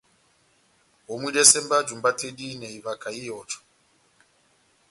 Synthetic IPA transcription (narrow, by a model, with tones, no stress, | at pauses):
wɔ˨mwi˦ɗɛ˦sɛ˦mba˦d͡ʒu˨mba˦tʰe˦ɗi˦nɛ˨i˨va˨ka˨i˦jɔ˨t͡ʃɔ̥˨